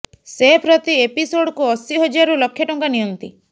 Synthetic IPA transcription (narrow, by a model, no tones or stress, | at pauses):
sepɾɔt̪iepisoɽkuɔsiɦod͡ʒiaɾulɔkʰːjeʈɔŋkanijɔnt̪i